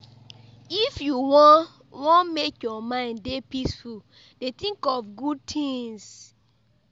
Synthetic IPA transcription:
ifjuwɔ | wɔ̃nmekjɔmãɪ̃nddepisful | d̥etĩŋkɔfɡud̚tʰĩŋs

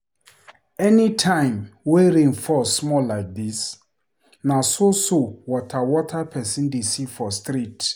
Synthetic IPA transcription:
ɛnitʰãɪ̃mweɾĩŋfɔsmɔlːaɪk̚dis | nasosowɔtʰawɔtʰapʰɛsĩndisifɔstɾit

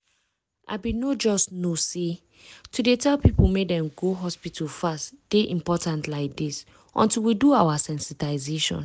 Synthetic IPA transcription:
ʔa̰binod͡ʒɔstnose | tʰudetɛlpipulmedɛ̃mɡoɦɔspitʰulfastd̥eʔĩmpɔtãntlaɪk̚dis | ʔɔ̰̃ntilwiduawasɛ̃nsitaɪzeʃɔ̰̃n

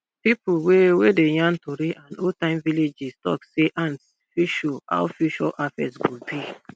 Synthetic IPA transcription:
pipuwewedej̃ãntoɾiʔãnotãɪ̃mviled͡ʒistɔ̰kseʔãns | fiʃoa̰ʊfuʃɔʔafɛ̰swilbi

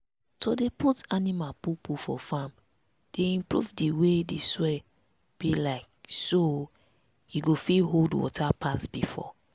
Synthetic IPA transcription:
tʰodeputanimalpupufɔ̰fãm | d̥eĩmpɹṵvdiwedeswɛ | b̥ilaɪk̚so | iɡofiɦoldwɔ̰tʰapʰasb̥ifɔ̰

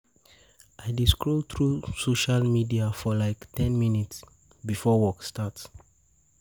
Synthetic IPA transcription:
ʔaɪdiskɹot̪ʰɹusoʃalmidiafɔlaɪktɛ̃nminits | bifɔwɔkstats

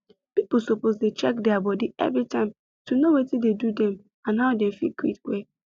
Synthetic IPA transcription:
pip̩ˠsopozdet͡ʃɛkdɛabɔdiɛ̰vɾitãɪ̃m | tunowetidedudɛ̃m | ãnɦaʊdɛ̃m̩fḭkwitwe

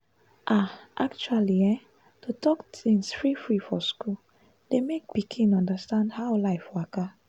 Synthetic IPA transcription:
ʔaʔakt͡ʃualiɛ | totʰɔktĩŋsfɹifɹifɔskul | d̥emek̚pikʰĩnɔ̃ndəstãndhaʊlaɪfwaka

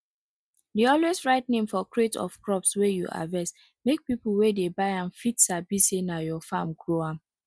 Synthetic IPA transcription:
deɔlwesɹaɪtnẽmfɔkɹetʰɔ̰fkɹɔpswejuʔa̰vɛs | mek̚pipl̩wedebaɪãnfitsabisenajɔfãmɡɹoã

